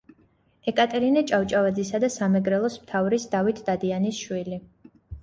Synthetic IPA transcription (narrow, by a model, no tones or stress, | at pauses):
ɛkʼat̪ʼɛɾinɛt͡ʃʼawt͡ʃʼavad̪zisad̪asamɛɡɾɛlˠɔsmt̪ʰavɾisd̪avit̪ʰd̪ad̪ianisʃwili